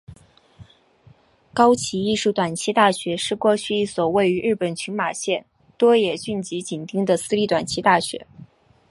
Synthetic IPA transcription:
kɑ˥ʊt͡ɕʰi˧˥i˥˧ʂu˥˩t̪wa˨˩nt͡ɕʰi˥t̪a˥˩ɕɥɛ˧˥ʂɻ̩˥˧kwɔ˥˧t͡ɕʰy˥˧i˥˩swɔ˨˩we˥˩ɪy˧˥ɻɻ̩˥˩pə˨˩nt͡ɕʰy˧˥ma˨˩ɕjɛ˥˩n | t̪wɔ˥jɛ˨˩ɕy˥˩nt͡ɕi˧˥t͡ɕi˨˩nt̪i˥ŋd̪ə˨sɹ̩˥li˥˩t̪wa˨˩nt͡ɕʰi˥t̪a˥˩ɕɥɛ̰˧˥

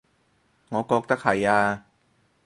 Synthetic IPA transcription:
ŋɔː˨˧˦kɔː˧k̚t̪a˥k̚ʰːa˨˩jaː˧

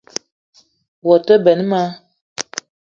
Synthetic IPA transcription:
wɔ˨tə˦bɛ˨n˦ma˦

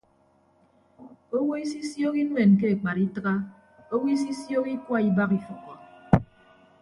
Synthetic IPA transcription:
o˦wo˦i˦s̬i˦sjo˦ki˦n˦we˨nk̬e˦e˨k͡pa˨ɾi˦tɨ˦ɣa˦ | o˦wo˦i˦s̬i˦sjo˦ki˦kwa˦˨i˨ba˦ki˨fu˨kɔ˨

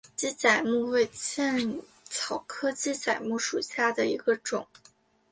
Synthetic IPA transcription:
t͡ɕi˥t͡sa˨˩ɪmu˥˧we˥˧ɪt͡ɕʰjɛ˥˩n | t͡sʰɑ˨˩ʊkʰɤ˥t͡ɕi˥t͡sa˨˩ɪmu˥˩ʂu˨˩ɕja˥˩d̪ə˩i˧˥ɡə˧ʈ͡ʂʊ˨˩˦ŋ

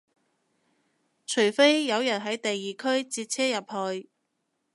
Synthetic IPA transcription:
t͡ʃʰɵ˨˩ɥfe˥jːɐ˨˧wjɐ˨˩nɦɐ˨˥jt̪ɐ˨jːiː˨kʰɵ˥ɥt͡siː˧t̚t͡sʰɛː˥jɐ˨p̚hɔː˨˧j

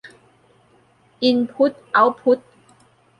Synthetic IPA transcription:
i˧npʰu˨˥t̪̚a˨˦wpʰu˨˦˥t̪̚

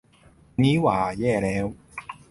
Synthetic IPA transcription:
niː˦˥waː˨˩jɛː˥˩lɛː˦˥w

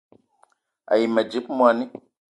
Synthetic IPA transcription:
a̰˨ji˨mɛ˨d͡ʒi˦p̚mwa˨ni˦

